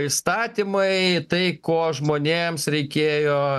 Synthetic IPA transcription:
ist̪ɑːt̪ʲimɐɪt̪ɐɪkoːʒmoːnʲeːmsɾʲɛɪkʲeːjoː

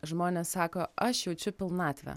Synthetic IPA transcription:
ʒmoːnʲɛːssɑːkoːʔɐʃjɛʊt͡ʃʲʊpʲɪlˠnɑːt̪ʲʋʲɛ̰

